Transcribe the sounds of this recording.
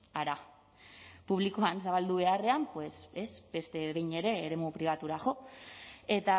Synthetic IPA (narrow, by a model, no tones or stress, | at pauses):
aɾa | puβ̞likoans̬aβ̞ald̪uβ̞e̞are̞ampwe̞se̞sbe̞st̪e̞ɣejɲe̞ɾe̞ːɾe̞mupɾiβ̞at̪uɾaʝo̞ | e̞t̪a